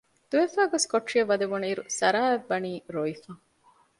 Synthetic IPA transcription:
d̪̥uʋefæːɡoskoʈːʂiɐʋɐd̪eʋuneiɾusɐɾaːebːɐniːɾoifɐ

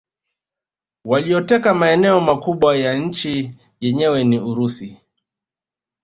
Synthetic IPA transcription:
walijɔtɛkamaɛnɛɔmakuɓwajaɲ̩t͡ʃi | jɛɲɛwɛniuɾusi

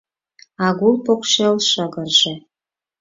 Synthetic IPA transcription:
ɑɣulˠpokʃelʃəɣərʒĕ

